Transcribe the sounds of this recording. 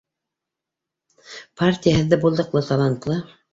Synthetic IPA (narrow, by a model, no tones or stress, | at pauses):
pʰartʲijaɦɤ̆ðːɘbulˠd̪ɤ̆qlˠɤt̪ɑlˠant̪lˠɤ